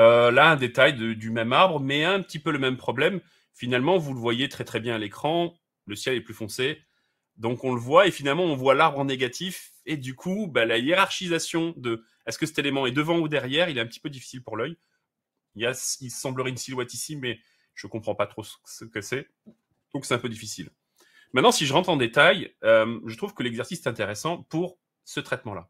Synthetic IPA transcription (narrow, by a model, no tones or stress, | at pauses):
ølaɛ̃d̪et̪ajd̪əd̪ymɛmaʁbʁəmɛɛ̃pət̪ipøləmɛmpχɔblɛm | finalmɑ̃vuləvwajet̪χɛt̪χɛbjɛ̃alekχɑ̃ | ləsjɛlɛplyfɔ̃se | d̪ɔ̃kɔ̃ləvwaefinalmɑ̃ɔ̃vwalaʁbʁɑ̃neɡat̪ʰif | ed̪ykʰubalajeʁaʁʃizasjɔ̃d̪ə | ɛskəsɛ̥t̪elemɑ̃ɛd̪əvɑ̃ud̪ɛʁjɛʁilɛt̪ɛ̃pət̪ipød̪ifi̥silpuʁlœj | iljasilsɑ̃bləʁɛynsilwɛt̪isimɛ | ʒ̥əkɔ̃pχɑ̃pat̪χosə̥səkəsɛ | d̪̥ɔ̃ksɛt̪ɛ̃pød̪ifisil | mɛ̃t̪nɑ̃siʒəʁɑ̃t̪χɑ̃d̪et̪ajømʒət̪χuv̥kəlɛɡzɛʁsisɛ̥t̪ɛ̃t̪eʁesɑ̃puʁ | sət̪χɛt̪mɑ̃la̰